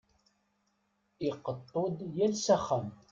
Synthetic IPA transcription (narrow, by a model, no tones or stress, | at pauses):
ɪqət̪ˤːod̪jælsæχəm